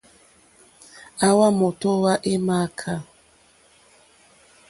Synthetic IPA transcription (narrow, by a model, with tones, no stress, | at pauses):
a˦wa˦mɔ˨tɔ˦wa˦ʔe˦ma˦kʰa˦˨